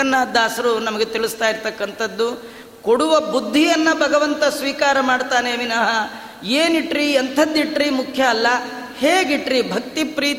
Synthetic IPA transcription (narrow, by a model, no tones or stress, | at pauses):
ɐnːad̪ʱaːsɐɾunɐmɐɡet̪iɭust̪aːjiɾt̪ɐkːɐnt̪ʰɐd̪ːu | koɽuʋɐbud̪ʱːijɐnːɐbʱɐɡɐʋɐnt̪ɐsʋiːkaːɾɐmaːɖt̪aːneʋinɐɦɐ | eːniʈɾiɐnt̪ʰɐd̪ːiʈɾimukʰjɐːlːɐ | heːɡiʈɾibʱɐk̚t̪ipɾiː